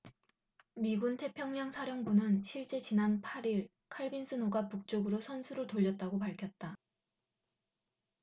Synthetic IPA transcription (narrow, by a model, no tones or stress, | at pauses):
miɡuntʰe̞pʰjʌŋɲaŋsʰaɾjʌŋbunɯnɕʰiɭt͡ɕ͈e̞t͡ɕinanpʰaɾiɭ | kʰaɭbinsʰɯnoɡapuk̚t͡ɕ͈oɡɯɾosʰʌnsʰuɾɯɭtoʎːʌt̚t͈aɡopaɭkʰjʌt̚t͈a